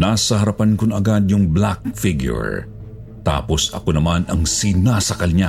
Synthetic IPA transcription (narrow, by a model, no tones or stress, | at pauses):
nasɐɦɐɾɐpɐnkʊnɐɡad̪jʊŋblak̚fɪɡjʊ̰ɹ | t̪a̰po̞sɐkonɐmanɐŋsinasɐkɐlɲa